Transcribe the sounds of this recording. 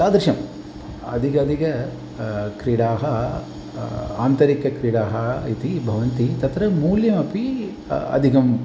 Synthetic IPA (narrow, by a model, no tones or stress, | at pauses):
saːd̪ɐɾʃɐm | ɐ̰d̪iɡɐɐd̪iɡɐ | kɾiɽaːɦɐ | a̰ːnt̪ɐɾikɐkɾiɽaːɦɐit̪ibʱɐʋɐnt̪it̪ɐt̪ɾɐmuːljɐmɐpi | ɐ̰d̪ʱikɐm